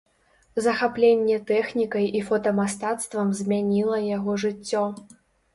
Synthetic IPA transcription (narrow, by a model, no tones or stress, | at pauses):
zɐxaplʲenʲːɛt̪ɛxnʲikɐjifɔt̪ɐmast̪at̪st̪vɐmzʲmʲanʲilˠɐjaɣɔʐɨt͡sʲːɔ